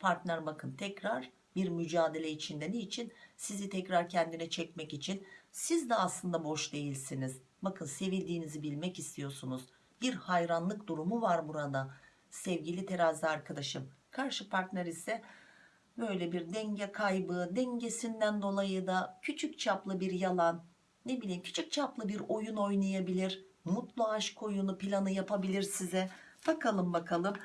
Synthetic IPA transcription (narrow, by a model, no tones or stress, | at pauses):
pʰaɾt̪nʲæɾbakʰɯnt̪ʰɛcɾaɾ̥ | biɾmyd͡ʒaːd̪e̞lʲɛit͡ʃʰind̪eniːt͡ʃʰinsizit̪ʰɛcɾaɾcʰɛnd̪inɛt͡ʃʰɛc̚mɛcit͡ʃʰinsizd̪ɛaslˠɯnd̪abo̞ʃd̪e̞jilʲsiniz | bakʰɯnse̞vilʲd̪iːnizibilʲmɛcist̪ʰijo̞sunuz̥ | biɾhajɾanlˠɯkd̪uɾumuvaɾbuɾad̪a | sɛvɟilʲit̪ʰe̞ɾazd̪iaɾkʰad̪aʃɯm | kʰaɾʃɯpʰaɾt̪næɾisɛ | bø̞jlʲɛbiɾd̪ɛɲɟɛkʰajbɯd̪ɛɲɟe̞sind̪ænd̪o̞lˠajɯd̪acʰyt͡ʃʰyc̚t͡ʃʰaplˠɯbiɾjalˠanː | e̞bilʲiːmcʰy̥t͡ʃʰyc̚t͡ʃʰaplˠɯbiɾo̞juno̞jnˠajabilʲiɾmut̪lˠuaʃkʰo̞junupilʲanɯjapʰabilʲiɾsizɛ | b̥akalˠɯmbakʰalˠɯm